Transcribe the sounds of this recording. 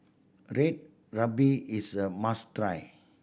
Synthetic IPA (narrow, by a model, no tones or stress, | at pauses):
ɹet̚ | ɹabiisəmastɾaj